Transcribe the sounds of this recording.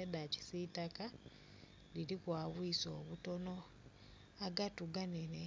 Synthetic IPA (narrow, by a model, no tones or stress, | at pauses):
edaci̥sitaka | liɾikwaːβwiso̞ːβuto̞no̞ | aɡatuɡanene